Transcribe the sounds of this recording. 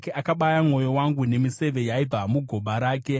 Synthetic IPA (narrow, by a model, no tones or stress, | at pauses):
keakaɓajamŋo̞jo̞waŋɡune̞mise̞ʋe̞jaib͡vamuɡʱo̞ɓaɾaːke̞